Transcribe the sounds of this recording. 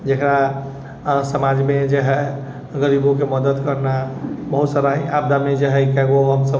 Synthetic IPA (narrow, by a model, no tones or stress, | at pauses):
d͡ʒekɾa | səmad͡ʒmed͡ʒeɦɛ | ɡəɾibõkeməd̪əd̪kəɾnabəɦut̪səɾaɦĩabd̪amed͡ʒeɦɛkɛɡoɦəmsə